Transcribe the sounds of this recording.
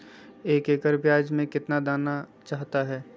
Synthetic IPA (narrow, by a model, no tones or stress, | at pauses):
eːkeːkəɾbjaːd͡ʒmẽkɪt̪nad̪aːnat͡ʃaːɦt̪aɦɛː